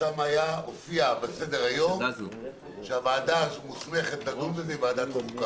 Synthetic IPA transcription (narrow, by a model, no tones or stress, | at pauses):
amajaofiabese̞deʁajo̞m | ʃeavaːdazumusme̞χe̞t̪laɡunbezevaːd̪at̪vuka